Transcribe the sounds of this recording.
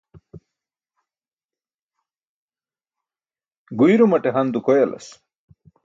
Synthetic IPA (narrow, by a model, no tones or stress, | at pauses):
ɡujɾumɐʈeɦɐnd̪ukojelɐ̰s